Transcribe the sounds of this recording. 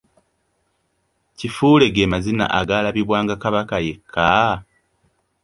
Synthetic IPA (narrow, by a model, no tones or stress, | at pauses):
cifuːle̞ɡe̞mazina̰ʔaɡalaβiβwaːŋɡakaβakaje̞kʰːa